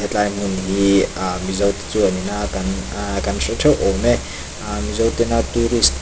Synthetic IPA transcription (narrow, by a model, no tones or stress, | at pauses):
ɛt͡ɬajmunɦimizɐwt̪e̥t͡suɐninakankanɬɛtʰɛwʔɔmɛ | amizawt̪ɛnat̪uɾist̪